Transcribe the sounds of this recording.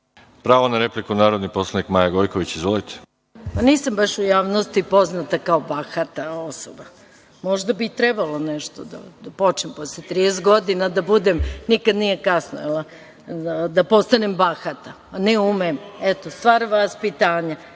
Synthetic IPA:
pɾaːʋonaɾeplikunaːɾod̪niposlˠanikmaːjaɡojkoʋit͡ɕizʋolit̪ʰe̥ | paniːsambaʃujaːʋno̞st̪ipo̞znat̪akaobaxat̪ao̞soba | mo̞ʒd̪abit̪ɾebaloneʃt̪od̪a̰d̪apo̞t͡ʃnempo̞slet̪ɾidest̪ɡo̞d̪inad̪abud̪emnikad̪nije̞kasnoela | ad̪apo̞st̪anembaxat̪a | neumemet̪ost̪ʋaːɾʋaspit̪aːɲa

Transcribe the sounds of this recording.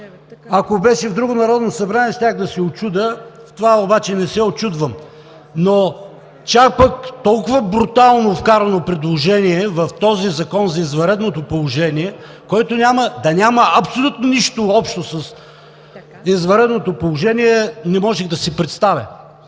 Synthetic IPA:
ɐkobɛʃɛvd̪ɾuɡʊnɐɾɔd̪nosɐbɾanʲiɛst̪ʲaɣd̪ɐsɛot͡ʃud̪ə | t̪ovaobat͡ʃɛnɛsɛot͡ʃud̪vəm | no | t͡ʃak̚pɐkt̪ɔlˠkʊvɐbɾut̪alˠnofkaɾɐnopɾɛd̪lˠoʒɛniɛvɐft̪ɔzizɐkɔnzɐizvɐɾɛd̪not̪opolˠʊʒɛniɛ | kɔjt̪onʲaməd̪ɐnʲamɐʔɐpsolʲut̪noniʃt̪oɔpʃt̪osɐs | izvɐɾɛd̪not̪opolˠoʒɛniɛnɛmɔʒɛɣd̪ɐsipɾɛt̪st̪avʲɐ̰

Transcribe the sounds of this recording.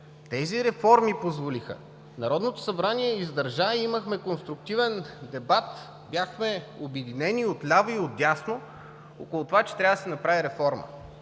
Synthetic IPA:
t̪ɛziɾɛfɔɾmipozvolixə̰ | nɐɾɔd̪not̪o̥sɐbɾaniɛizd̪ɐɾʒaiiməxmɛkonst̪ɾʊk̚t̪ivɛnd̪ɛbat̪ | bjaxmɛobjɛd̪inɛnʲiot̪lʲavoiod̪̚dʲasno | okolˠʊt̪ovat͡ʃɛ̥t̪ɾʲavəd̪sɛnɐpɾaviɾɛfɔɾmə̰

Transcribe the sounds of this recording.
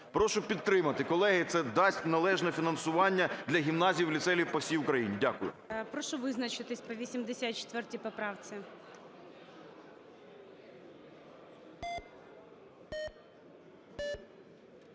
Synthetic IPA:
pɾɔʃʊpʲid̪ɾɪmɐt̪ɪkɔlˠɛɦɪt̪sɛd̪ɑsʲtʲnɐlˠɛʒnɛfʲinɐnsʊʋɑnʲːɐd̪lʲɐɦʲimnɑzʲijiwlʲit̪sɛlʲiwpɔwsʲijʊkɾɐjinʲidʲakʊjʊ̰pɾɔʃʊʋɪznɐt͡ʃɪt̪ɪsʲpɔʋʲisʲimd̪esʲat͡ʃe̥t̪ʋɛrtʲipɔpɾɑwt͡sʲɪ

